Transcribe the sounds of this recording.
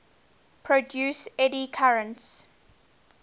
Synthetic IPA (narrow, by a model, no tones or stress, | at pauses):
pʰɹɔdjuːsɛdikʰaɹə̃nts